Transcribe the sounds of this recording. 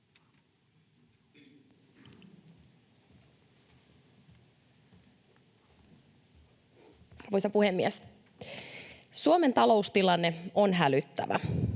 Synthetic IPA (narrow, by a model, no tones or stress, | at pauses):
ɑrʋojsɑpuhe̞mːies | suome̞nt̪ɑlo̞ust̪ilɑnːe̞onɦælyt̪ːæ̰ʋæ̰